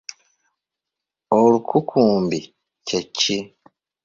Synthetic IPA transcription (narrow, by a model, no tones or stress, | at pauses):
olukʰukʰuːmbi | cecːi